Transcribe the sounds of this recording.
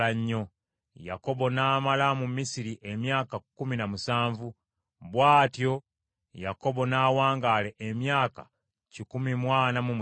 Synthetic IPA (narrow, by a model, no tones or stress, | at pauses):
aɲːo̞ | ja̰ko̞bo̞naːmalamumisiɾiʔemjaːkakuminamusaːɱvu | βwaːtjo̞ | ja̰ko̞bo̞naːwaːŋɡale̞ʔemjaːka̰ | cikumimwaːnamum